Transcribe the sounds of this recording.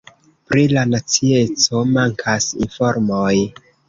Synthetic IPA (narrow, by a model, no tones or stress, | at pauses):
pɾilanat͡sie̞t͡so̞maŋkʰasḭnfo̞ɾmoj